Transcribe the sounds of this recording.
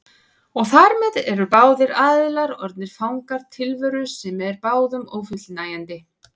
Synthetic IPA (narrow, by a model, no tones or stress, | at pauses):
ɔɣθaɾmɛðɛɾʏpaːwðɪɾaːðɪlaɾɔɾt̪nɪɾ̥fawŋkaɾ̥t̪ʰɪlvœɾʏsɛmɛɛɾpaːwðʏmoːwfʏt̪lnaːjant̪ɪ